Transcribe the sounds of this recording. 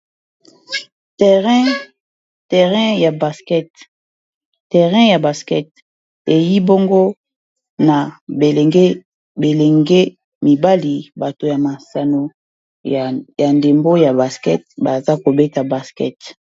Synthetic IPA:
tɛ˨ʁɛ̃˦ | tɛ˨ʁɛ̃˦ja˨ba˨skɛ˦t | tɛ˨ʁɛ̃˦ja˨ba˨skɛ˦t̚ | e˨ji˦bo˦ŋɡo˦ | na˨e˨le˨ŋɡe˦ | be˨le˨ŋɡe˦ | mi˨ba˦li˨ba˨to˨ja˨ma˨sa˨no˨ | ja˨nde˨mbo˦ja˨ba˨skɛ̰˦t̚ba˨za˦ko˨be˦ta˨ba˨skɛ̰˦t

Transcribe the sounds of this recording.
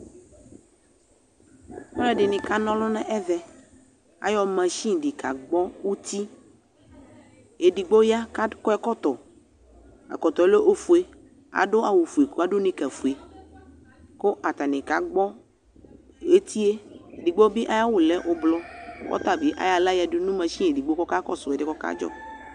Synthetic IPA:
o˦lɛ̃˨ɖɪ˨nĩ˨ka˦nɔ̃˦lɔ˦nã˦ʔɛ˦vɛ˨ | a̰˨jɔ˨mɛ̃˨ʃĩ˦˨ɖi˨ka˨ɡ͡bɔ˦wu˦t̪i˦ | e˨ɖi˨ɡ͡bo˦ja˦ka˦kɔ˦ɛ˦kɔ˦t̪ɔ˨ | ɛ̰˨kɔ˨t̪ɔ˨˦lo˦ʔo˦fu˨e˦ | a̰˨ɖo˦a˨wu˨fu˨e˨ku˦a˨ɖo˦nĩ˦kɛ˨fu˨e˨ | ko˦ʔa˨t̪a˨nĩ˨ka˨ɡ͡bɔ˦ | e˦t̪i˦e˦˨di˨ɡ͡bɔ˦bi˦ʔa˦ja˦wu˨lɛ˦ʔo˦blɔ˦wɔ̰˦t̪a˨bi˨ʔa̰˦ja˨la˦ja˨di˦nũ˦mã˨ʃĩ˦e˨di˨ɡ͡bo˦kɔ˦ka˦kɔ˦so˨ɛ˨de˦kɔ˦ka̰˦d͡ʒɔ̰˦

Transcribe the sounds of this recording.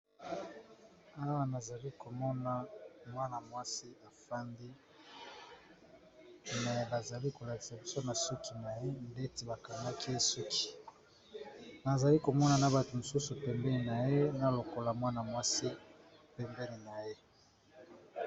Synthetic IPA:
a˦wa˦na˨za˨li˦ko˨mɔ˦na˨mwa˦na˨mwa˦si˦a˨fa˦ndi˦ | mɛ˨ba˨za˨li˦ko˨la˨ki̥˨sa˨bi˦so˦na˨sɔ˦ki˨na˨je˦nde˦ti˨ba˨ka˨ŋa˦ki˦e˦sɔ˦ki̥˨ | na˨za˨li˦ko˨mɔ˦na˨na˨ba˨tu˨mo˨su˦su˨pɛ˨mbe˦li˨na˨je˦na˨lo˨ko˨la˨mwa˦na˨mwa˦si˦ | pɛ˨mbe˦li˨na˨je˦

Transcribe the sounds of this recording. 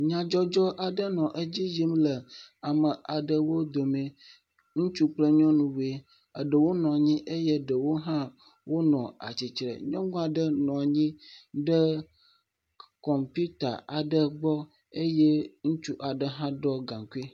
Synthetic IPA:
ɲã˨d͡ʒɔ˦d͡ʒɔ˦ʔa˨ɖə˦nɔ̃˨ʔe˦d͡ʑi˦d͡ʒi˦mlə˨a˨mə̃˨a˨ɖə˨wo˦d̪o˨me˨ | ŋũ˦t͡ʃu˦k͡plə˦ɲɔ̃˦nũ˨we˦ | ə˨ɖə˨wo˦nɔ̃˨a˨ɲĩ˦ʔe˦je˦ɖə˨wo˦ɦã˦ | wo˦nɔ̃˨a̰˨t͡ɕi˨t͡ʃɾɛ̰˨ɲɔ̃˦ŋɡũ˦a˨ɖə˦nɔ̃˨a˨ɲĩ˦ɖə˦ | kɔ˨mpu˦t̪a̰˨a˨ɖə˦ɡ͡bɔ˦ | e˦je˦ŋũ˦t͡ʃu˦ʔa˨ɖə˨ɦã˦ɖɔ˦ɡã˨ŋku˦i˦

